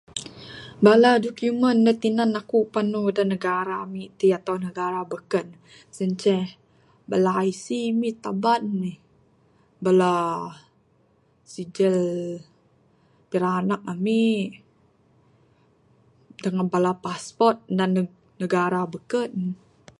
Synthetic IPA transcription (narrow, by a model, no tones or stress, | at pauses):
baladokjumənːət̪inanakupanudanəɡaɾamit̪iat̪awnəɡaɾabəkən | səɲt͡ʃɛh | balaːisimit̪abanmi | bala | sid͡ʒəl | piɾaːnak̚ami | dəŋanbalapaspɔrt̪̚dan | nəɡaɾabəkən